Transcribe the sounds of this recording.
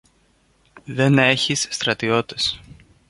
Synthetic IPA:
ðe̞ne̞çisːt̪ɾɐt̪io̞t̪es

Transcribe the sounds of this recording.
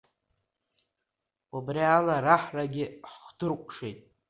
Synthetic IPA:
abrialaraħraɡʲɪħχdɨrkʷʰʼʂejtʼ

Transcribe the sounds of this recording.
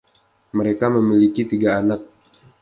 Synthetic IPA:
məɾekaməmilikit̪iɡaːnak̚

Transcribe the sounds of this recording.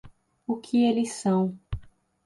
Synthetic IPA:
ʊkʰɪelɪsɐ̃w̃

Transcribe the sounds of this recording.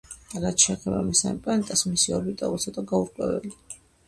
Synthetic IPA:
ɾat̪t͡ʃʰɛːχɛba̰misampʼɛɛnt̪ʼasmisiɔɾbit̪ʼɔ̰ult̪sʰɔt̪ʼaɡauɾkʼwɛvɛ̰li

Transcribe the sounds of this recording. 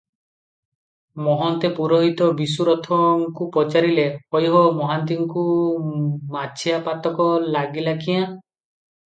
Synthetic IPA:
mɔɦɔnt̪epuɾɔɦit̪ɔbis̬uɾɔt̪ʰɔŋkupɔt͡ʃaɾilehɔjɦɔmɔɦant̪̬iŋɔku | mat͡ʃʰijapat̪ɔkɔlaɡilakiã

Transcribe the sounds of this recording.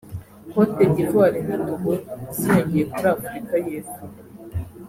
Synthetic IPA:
hotebɟizwaːɾenatoɡozieɲɟijekuɾaːfuɾikajeːsu

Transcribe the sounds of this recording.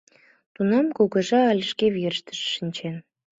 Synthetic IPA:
t̪unɑmkuɣəʒɑːlʲəʃkeβirʃt̪ə̥ʃːinʲt͡ɕen

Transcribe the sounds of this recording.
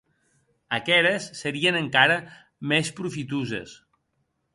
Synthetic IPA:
əkɛɾəsːəɾiənəŋkaɾə | mespɾufit̪uzə̰s

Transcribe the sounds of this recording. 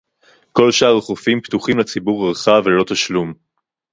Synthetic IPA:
ko̞lʃaːʁeχofimpt̪uχimlat͡sibuʁeʁχavelo̞t̪aʃlum

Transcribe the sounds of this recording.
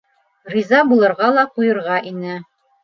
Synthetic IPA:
rʲizɑbulˠɤ̆ɾʁɑlˠɑqujɤ̆ɾʁɑʔinɘ

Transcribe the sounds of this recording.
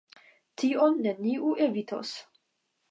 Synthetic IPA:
t̪iːʔonːeniːʔuʔevit̪ʰo̰s

